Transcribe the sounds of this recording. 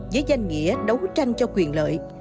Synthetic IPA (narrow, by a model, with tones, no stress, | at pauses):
zəː˨˦jza˧jŋ̟ŋḭ˧˥əɗə˨˦wt͡ɕa˧jŋ̟t͡ɕɔ˧kwi˨˩ənlə̰ː˧˨j